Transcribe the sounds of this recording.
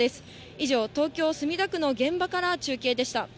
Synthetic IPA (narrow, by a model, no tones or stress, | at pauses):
e̞sɨ̥ | iʑo̞ːt̪o̞ːkʲo̞ːsɨmʲid̪akɯ̟no̞ɡẽ̞mbakaɾat͡ɕɨːkʲe̞ːd̪e̞ɕi̥t̪a